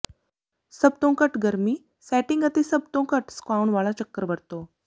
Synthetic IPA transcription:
səb̚t̪õkəʈɡəɾmiː | sæʈiŋɡat̪isəb̚t̪õkəʈskʋawɳʋaɭat͡ɕəkːəɾbəɾt̪o

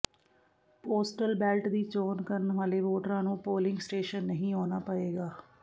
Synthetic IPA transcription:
poːsʈəlbɛːlʈd̪iːt͡ʃoːnkəɾənʋaːleːʋoːʈɾãːnũːpoːlɪ̃ŋɡsʈeːʃənːəɦĩːoːnaːpəeːɡaː

